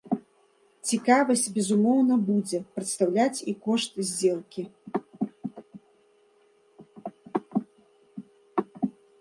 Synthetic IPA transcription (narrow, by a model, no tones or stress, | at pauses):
t͡sʲikavɐsʲt͡sʲbʲɛzumɔwnɐbud͡zʲɛpɾɨt̪st̪awlʲat͡sʲikɔʂt̪zʲd͡zʲɛlˠkʲi